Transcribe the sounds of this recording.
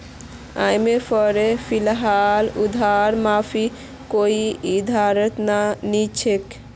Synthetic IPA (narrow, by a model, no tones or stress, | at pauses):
a̰jmepʰɔɾepʰilɦalud̪ʱaɾmapʰi | koiid̪ʱaɾət̪nanit͡ʃʰek